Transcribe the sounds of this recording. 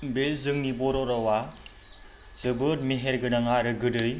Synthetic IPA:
bezɯŋnibɔɾɔɾɔwa | zɯbɯɾmeɦeɾɡɯnaŋaɾɯɡɯdɯj

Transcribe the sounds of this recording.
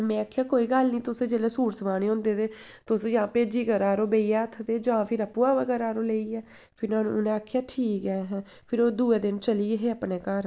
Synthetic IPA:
mɛ̃ːaːkʰːjaːkoːiːɡəlnĩːt̪ʊsẽːd͡ʒeːleːsuːɾt̪ʋaːneːɦõːnd̪eːt̪eː | t̪ʊsjãːpeːd͡ʒiːkəɾaːɾoːbeːiɛːət̪ʰət̪eːd͡ʒãːpʰɪɾəpːuːaːʋəɡɛːɾaːɾoːleːiːɛː | pʰɪɾnãːnṵ̃ːnẽːaːkʰːjaːʈʰiːkɡɛːɦɛ̃ː | pʰɪɾoːd̪uːeːd̪ɪnt͡ʃəliːɦeːəpneːkəɾ

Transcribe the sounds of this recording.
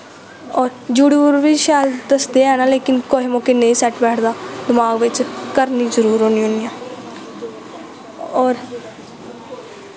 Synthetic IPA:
ɔːɾd͡ʒuɽuːɾʋiːʃaːld̪əsd̪eːɛːnaːleːkɪnkoːɦiːmõːkeːneĩːsɛːʈbɛːʈʰd̪aːd̪ɪmaːɡʋɪt͡ʃkəɾniːzəɾuːɾɦoːniːɦʊ̃nijãː | ɔːɾ

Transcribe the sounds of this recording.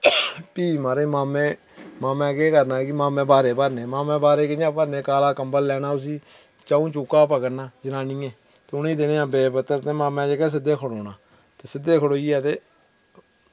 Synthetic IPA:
piːmaːɾẽːmaːmẽː | maːmɛ̃ːkeːkəɾnaːkɪmaːmẽːbaːɾeːpəɾnẽːmaːmɛ̃ːbaːɾeːkɪãːpəɾneːkaːlaːkəmbəlːɛːnaːʊs̬iː | t͡ʃaːũːt͡ʃuːkːaːp̬əɡənaːd͡ʒənaːnĩːɛ̃ː | t̪eːʊnẽːd̪eːneːãːbeːpət̪ːəɾt̪eːmaːmɛ̃ːd͡ʒeːkɛːs̬ɪd̪ːeːkʰəɽoːnaː | t̪eːsɪd̪eːkʰəɽoːiɛːt̪eː

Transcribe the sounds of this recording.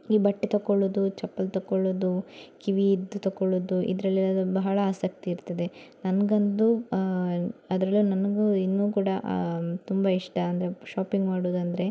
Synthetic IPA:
iːbɐʈːit̪ɐkːoɭod̪ut͡ʃɐpːɐlt̪ɐkːoɭːoːd̪ukiʋiːd̪ːut̪ɐkːoɭoːd̪uʔḭd̪ɐɾɐlːiɐd̪bɐɦɐɭɐaːsɐk̚t̪iːɾt̪ːɐd̪e̞nɐnɡɐnd̪u | ɐd̪ɾɐlːunɐnɐɡuinːuːkuːɽɐt̪umbɐiʂʈɐɐnd̪ɐɾe̞ʃaːpiŋɡmaːɽoːd̪ɐnd̪ɐɾe̞

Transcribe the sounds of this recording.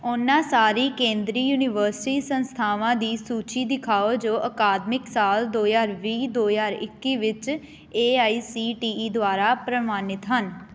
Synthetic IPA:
ʊnːãːsaːɾiːkẽːnd̪ɾiːjuːnɪʋəːɾsɪʈiːsənst̪ʰaːʋãːd̪iːsuːt͡ʃiːd̪ɪkʰaːoːd͡ʒoːʔəkaːd̪mɪksaːld̪oːjaːɾʋiːd̪oːjaːɾɪkːiːʋɪt͡ʃ | eːaːiːsiːʈiːiːd̪ʊaːɾaːpɾəmaːnɪt̪ɦən

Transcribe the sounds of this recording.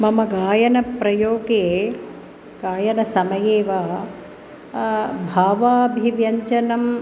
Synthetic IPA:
mɐmɐɡaːjɐnɐpɾɐjoːɡeː | ɡ̥aːjɐnɐsɐmɐjeːʋaː | bʱaːʋaːbʱiʋjɐɲt͡ʃɐnɐm

